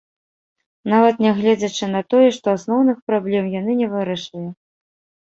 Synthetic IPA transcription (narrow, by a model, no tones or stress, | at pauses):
n̪avɐt̪nʲɛɣlʲɛd͡zʲɐt͡ʂɨnɐt̪ɔjɛʂt̪ɔasnɔwnɨxpɾablʲɛmjan̪ɨnʲɛvɨɾɐʂɨlʲi